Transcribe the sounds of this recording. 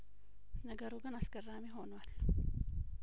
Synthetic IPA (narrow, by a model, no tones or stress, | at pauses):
nɐɡɐɾuɡɐnaskɐrːaːmiɦoːnwal